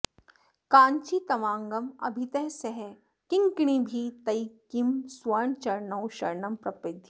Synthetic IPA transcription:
kãːɲt͡ʃit̪ɐʋãːŋɡɐmɐ̰bʱit̪ɐɦsɐɦɛ | kɪ̃ŋkɽ̃ibʱit̪ɐikimswɐɾɳt͡ʃɐɾnɐwʃɐɾnɐmpɾɐpɪd̪ʱ

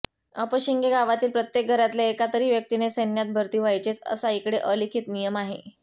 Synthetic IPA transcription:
əpəɕiŋɡeɡaʋat̪iːlpɾət̪jek̚ɡʱəɾat̪laekat̪əɾiːʋjək̚t̪inesənjat̪̚bʱəɾt̪iːʋajt͡ɕet͡sə̰saikɽeʔəlikʰiːt̪nijəmaɦḛ

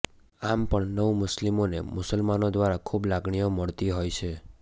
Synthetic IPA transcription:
ampəɳnəʋumʊslimonḛmʊsəlmanod̪ʋaɾakʰublaɡɳijoməɭt̪iɦojt͡ʃʰe

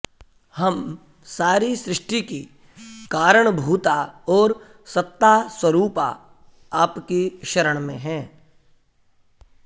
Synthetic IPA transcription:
hɐm | saːɾisɾɪʂʈiki | kaːɾəɽ̃bʱuːt̪aɔːɾ | sɐt̪ːaswəɾuːpa̰ | aːpkiʃɐɾəɽ̃mḛ̃ɦɛ̃ː

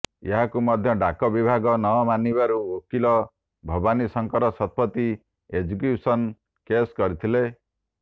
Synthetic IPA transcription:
eɦakumɔd̪ʱjɔɖakɔbibʱaɡɔnɔmanibaɾuokilɔ | bʱɔbanisɔŋkɔɾɔsɔt̪̚pɔt̪i | ed͡ʒuk̬eusɔn | keskɔɾit̪ʰile

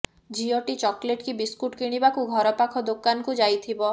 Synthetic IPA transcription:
d͡ʒiɔʈit͡ʃɔkleʈkibiskuʈkiɽ̃ibakuɡʱɔɾɔpakʰɔd̪okanɔkud͡ʒajt̪ʰibɔ

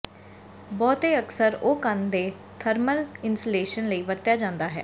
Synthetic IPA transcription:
bɔːt̪eːəksəɾoːkənd̪eː | t̪ʰəɾməlɪnsleːʃənləiːʋəɾt̪jaːd͡ʒãːnd̪aːɦɛ̰ː

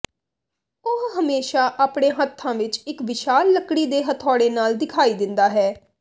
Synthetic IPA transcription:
ʊɦɦəmeːʃaːʔaːpɽẽːɦət̪ʰːãːʋɪt͡ʃɪkʋɪʃaːlːəkɽiːd̪eːɦət̪ʰɔːɽeːnaːld̪ɪkʰaːiːd̪ɪnd̪aːɦɛː

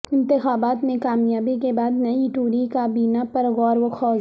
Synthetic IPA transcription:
ɪ̃nt̪ɪxaːbaːt̪mẽkaːmjaːbikebaːd̪nɐiʈuːɾikaːbiːnapɐɾɣɔːɾʋoxɔːz

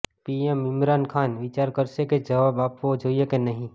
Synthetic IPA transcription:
piːemɪmɾaːnkʰaːnʋɪt͡ʃaːɾkəɾseked͡ʒɐʋaːbaːpʋod͡ʒʱoːjekenɐɦĩ

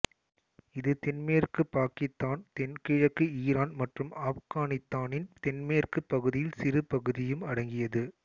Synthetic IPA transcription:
ɪðɯt̪ɛnmeːrkɯpːaːkɪst̪ːaːnt̪ɛnkɪɻɐkːɯiːɾaːnmɐʈrɯmaːfɣaːnɪst̪ːaːnɪnt̪ɛnmeːrkɯpːɐɣɯðɪjɪlsɪrɯpɐɣɯðɪjɯmɐɽɐŋɡɪjɐðɯ

